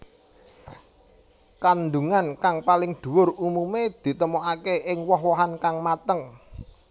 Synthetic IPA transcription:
kand̪uŋankaŋpalɪŋd̪̥ṳwʊrumumed̪̥i̤t̪əmoʔakeʔɪŋwɔɦwɔɦankaŋmat̪əŋ

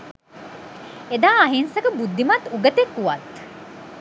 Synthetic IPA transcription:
ed̪aːɐɦinsəkəbud̪ːimat̪uɡət̪ekːuʋat̪

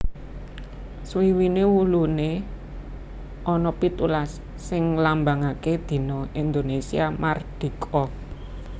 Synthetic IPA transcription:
swiwinewulune | ʔɔnɔpit̪ulasː | ɪŋlambaŋaked̪̥i̤nɔind̪onesiamard̪̥i̤kʰɔ

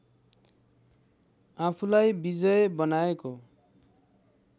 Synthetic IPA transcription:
apʰulajbid͡zʌjebʌnaeko

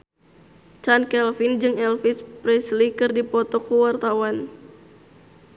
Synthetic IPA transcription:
t͡ʃankɛlfind͡ʒɨŋɛlfispɾɛslikɨrdipɔt̪ɔkuwart̪awan

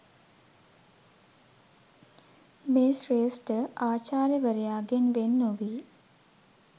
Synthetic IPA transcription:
meːsreːsʈəaːt͡ʃaːɾjəʋəɾejaːɡenʋenːuʋiː

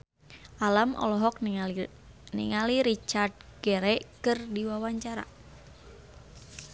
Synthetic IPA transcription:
ʔalamʔɔ̰lɔɦɔk̚ | nḭŋaliɾit͡ʃard̚ɡ̥ɛɾɛkɨrdiwawaɲt͡ʃaɾa̰

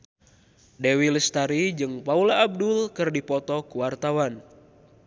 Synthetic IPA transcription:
dewiləst̪aɾid͡ʒɨŋpaulaːb̚dulkɨrdipɔt̪ɔkuwart̪awan

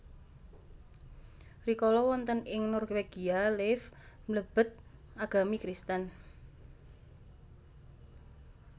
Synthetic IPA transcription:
rikɔlɔwɔnt̪ənɪŋnɔrweɡ̥ialɪf | mləb̥ə̤t̪̚ | ʔaɡ̥a̤mikɾist̪ən

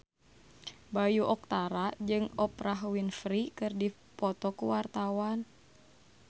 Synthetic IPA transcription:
bajuʔɔk̚t̪aɾad͡ʒɨŋɔpɾaɦwinfɾikɨrdi | pɔt̪ɔkuwart̪awan

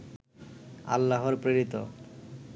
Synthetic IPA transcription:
a̰lːaɦoɾpɾeɾit̪o

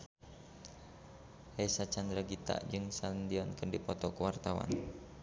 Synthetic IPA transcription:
hesat͡ʃand̪ɾaɡit̪a̰ʔd͡ʒɨŋsalənd̪iɔnkəndipɔt̪ɔkəwart̪awa̰n

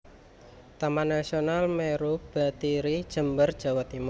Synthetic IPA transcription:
t̪amanasionalmeɾub̥a̤t̪iɾid̥ʒ̥ə̤mbərd̥ʒ̥a̤wat̪imu

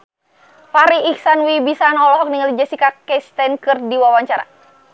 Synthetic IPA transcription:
faɾiːksanwibisanɔlɔɦɔk̚niŋalid͡ʒasikakɛst̪ɛnkɨrdiwawaɲt͡ʃaɾa̰

